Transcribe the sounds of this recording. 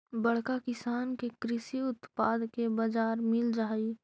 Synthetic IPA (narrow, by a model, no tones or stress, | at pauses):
bɐɽ̤kakɪsaːnkekɾɪsiʊt̪paːd̪kebad͡ʒaːɾmɪld͡ʒaːi